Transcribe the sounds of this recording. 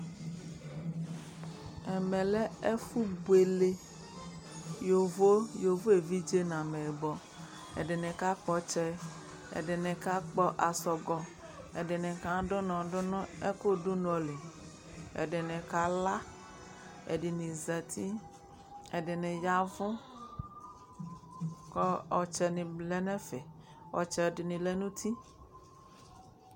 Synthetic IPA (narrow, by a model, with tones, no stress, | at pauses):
ɛ˨mɛ̃˨lɛ˦e˦fu˦bwe˨le˦ | jo˨vo˦jo˨vo˦e˨vi˦d͡ʒe˦nã˨me˨bɔ˨ | ḛ˨ɖe˨nɛ̃˨ka˦k͡pɔ˦t͡ʃɛ˦ | ḛ˨ɖɛ˨nɛ̃˨ka˦k͡pɔ˦ʔa˨sɔ˨ɡɔ˨ | e˨ɖe˨nɛ̃˨kã˦ɖo˦nɔ̃˨ɖʊ˦nʊ̃˦e˦ko˦ɖu˦nũ˦ɔ˨le˨ | ḛ˨ɖe˨nɛ̃˨ka˦la˦ | ḛ˨ɖi˨nĩ˨zɛ˨t̪ʰi˦ | e˨ɖe˨nɛ̃˨ja˦vɔ̃˦ | kɔ˦ɔ˨t͡ʃɛ˨nĩ˨blɛ˦nɛ̃˦fɛ˨ | ɔ̰˨t͡ʃɛ˨di˨nĩ˨le˦nũ˦t̪ʰi˦